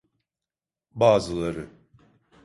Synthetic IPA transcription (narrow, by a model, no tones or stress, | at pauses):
baːzɯlˠaɾɯ